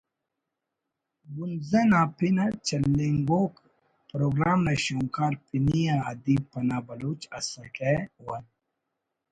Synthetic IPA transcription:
ɡunzɐnaːpinɐt͡ʃɐlːiŋɡoːk | pɾoːɡɾaːmnɐɕuŋkaːɾpinijaːd̪ipːɐnaːbɐloːt͡ʃɐsɐkewɐn

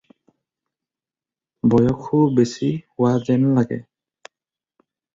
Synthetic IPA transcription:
bɔjɔkʰːubesihʊwazɛnlaɡɛ̰

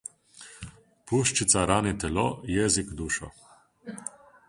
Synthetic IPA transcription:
puʃt͡ʃit̪saɾanit̪ɛlɔ̰jɛːzikd̪uːʃɔ̰

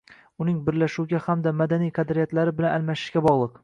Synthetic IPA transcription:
ʊnɪŋbɪɾlaʃuwɡʲahamd̪amad̪anijqʰɑd̪ɾijat̪laɾɪbɪlanalmaʃɪ̥ʃɡʲabɒʁlˠɤq

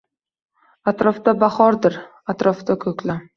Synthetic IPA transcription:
at̪ɾɒfd̪abaχɒɾd̪ɪɾ | at̪ɾɒft̪akʰɵkʲla

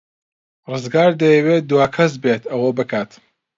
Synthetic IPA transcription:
rɨzɡaːɾd̪ɐjɛweːt̪̚d̪uwaːkʰɐsbeːt̪ʰɐwɐbɨkʰaːt̪

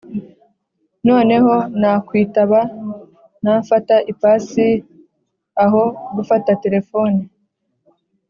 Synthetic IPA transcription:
no̞ːne̞ɦo̞naːkwiːtaβa | naːfataʔipaːsi | aɦo̞ɡufatate̞ɾe̞fo̞ni

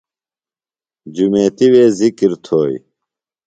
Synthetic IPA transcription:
d͡ʑumeːt̪iweːzikiɾt̪ʰoːj

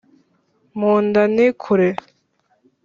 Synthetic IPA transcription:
moːndanikʰuɾe

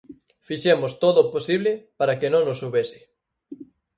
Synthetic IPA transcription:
fiʃemost̪oðoposiβlɪpaɾakenõŋnosuβesɪ̥

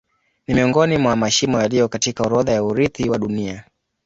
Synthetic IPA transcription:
nimiɔŋɡɔnimwamaʃimɔjalijɔkatikauɾɔðajauɾiθiwaɗunia

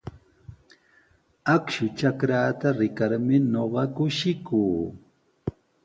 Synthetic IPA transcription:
akʃʊt͡ʃakɾaːt̪aɾɪkaɾmɪnoɢɑkʊʃɪkuː

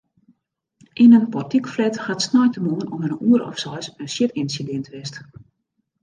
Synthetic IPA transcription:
ʔinənpɔrtikflɛtxatsnɔjtəmonənɔmənuəɾɔ̰fsɔjsənsjɪtinsidɪntʰʋɪst

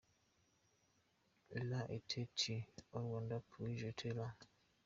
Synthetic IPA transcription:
laʔetʰetʰiɔɾwandapʰuid͡ʒetʰela

